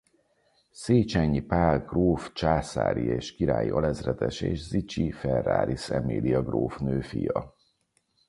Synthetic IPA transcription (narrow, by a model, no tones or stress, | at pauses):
seːt͡ʃɛɲːipaːlɡroːft͡ʃaːsa̰ːɾieːʃkiɾaːjiʔɒlɛzrɛt̪ɛʃeːʃzit͡ʃifɛrːa̰ːɾʔisɛmeːd̪iɒɡroːfnøːfijɒ